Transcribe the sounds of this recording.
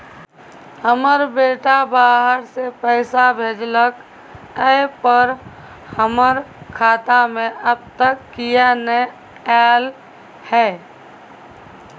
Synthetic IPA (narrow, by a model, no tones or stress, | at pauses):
həməɾbeːʈabaːɦəɾsepəɪsabʱeːd͡ʒlək | əpəɾ | həməɾkʰaːt̪amẽʔəb̚t̪əkːijane | ɛːl | hɛː